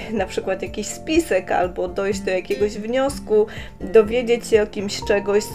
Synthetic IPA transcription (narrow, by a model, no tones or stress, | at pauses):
napʂɘkwat̪jakʲiɕspʲisɛka̰lbɔd̪ɔjd͡ʑd̪ɔjakʲeɡɔʑvɲɔsku | d̪ɔvʲjed͡ʑet͡ɕɕɛɔkʲimɕt͡ʂɛɡɔɕ